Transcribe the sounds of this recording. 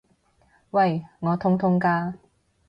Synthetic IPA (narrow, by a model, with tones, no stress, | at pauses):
wɐ˥˧˩jŋɔː˨˧t̪ʰʊ˥ŋt̪ʰʊ˥ŋkaː˥